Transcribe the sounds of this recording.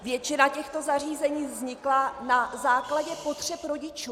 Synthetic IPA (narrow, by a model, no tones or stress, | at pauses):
vjɛt͡ʃɪnacɛxt̪o̞zar̝iːzɛɲiːvzɲɪklanazaːklaɟɛpo̞t̪r̝̥ɛpɾo̞ɟɪt͡ʃuː